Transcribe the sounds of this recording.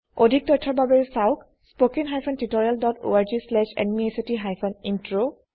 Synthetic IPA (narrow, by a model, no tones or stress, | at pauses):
odʱik̚dɔjtʰːɔɹbabɛɹsaʊk | spokiŋɦajpʰɔntitɔɹialdɔto̰aɹzislɛʃɛ̰nmiesitiɦajpʰɔnintɹo